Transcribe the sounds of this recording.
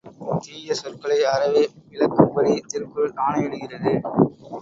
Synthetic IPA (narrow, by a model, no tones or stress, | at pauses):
t̪iːjɐsɔrkɐɭɐɪɐɾɐʋeːʋɪɭɐkːɯmbɐɻɪɐt̪ːɪrkɯɭaːnɐɛɽɯɣɪrɐðɯ